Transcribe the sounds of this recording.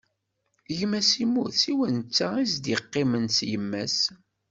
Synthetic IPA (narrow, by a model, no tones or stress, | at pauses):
ʝmæsimuθsiwənt͡sːaizd̪iqːimənt͡sjəmːæs